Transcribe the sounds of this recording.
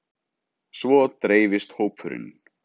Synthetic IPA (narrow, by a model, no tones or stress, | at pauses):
svɔt̪ɾeːjvɪst̪hoːwpʰʏɾɪ̰n